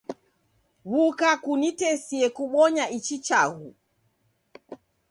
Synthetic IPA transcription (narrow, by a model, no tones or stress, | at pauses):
βukakunitɛsiɛkuɓɔɲaʔit͡ʃit͡ʃaɣu